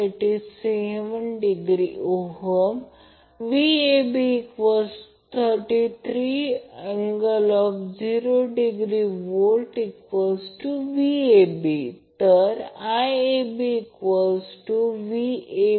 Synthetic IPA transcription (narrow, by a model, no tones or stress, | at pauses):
eʈizseʋənɖiɡɾioɦəm | ʋiebiːkʋesʈ | t̪ʰəɾʈit̪ʰɾiẽŋɡəlɔfd͡ʑiɾoɖiɡɾiʋolʈikʋesʈuʋiebit̪əɾajebiːkʋəsʈuʋie